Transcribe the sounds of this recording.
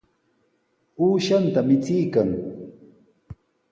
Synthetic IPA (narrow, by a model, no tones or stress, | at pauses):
uːʃant̪amɪt͡sɪjkaŋ